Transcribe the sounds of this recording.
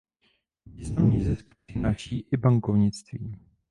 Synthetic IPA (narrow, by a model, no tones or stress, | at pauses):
viznamɲizɛsk | ɪnaʃiːʔɪbaŋkovɲɪt͡st̪viː